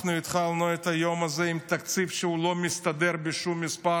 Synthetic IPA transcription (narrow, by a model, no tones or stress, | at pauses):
nuɪt̪χalnoet̪ɐjomɐzɛimt̪ɐkt͡sifʃeulo̞mist̪ɐd̪eɾbeʃumːispa